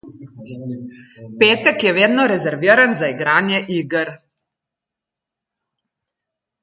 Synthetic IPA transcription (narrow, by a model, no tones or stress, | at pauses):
peːt̪ɛkjɛʋeːd̪nɔɾɛzɛɾʋiːɾanzaiɡɾaːnjɛʔiːɡəɾ